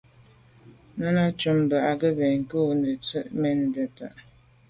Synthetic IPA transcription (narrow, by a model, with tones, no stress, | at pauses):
nə˦na˦t͡ʃu˨˦mbə˨ʔa˨ɡə˦bɛ˨ŋ̩˨kə˦nə˨t͡sə˦ʔmɛ˦n˨də˨ta˨ʔ